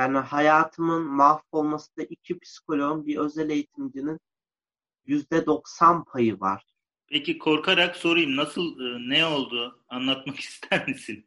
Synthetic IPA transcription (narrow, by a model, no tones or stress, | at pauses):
jaːnihajaːt̪ʰɯmɯnmafo̞lˠmasɯnd̪aʔicʰipʰi̥skʰo̞lʲonmbiɾø̞zɛlʲe̞jit̪ʰimd͡ʒinin | jyzd̪ɛd̪o̞ksanpʰajɯva̰ɾ̥ | pʰecikʰo̞ɾkʰaɾakso̞ɾujɯmnasɯlˠɯnɛo̞lˠd̪uːanlˠat̪maki̥st̪ʰæɾmisin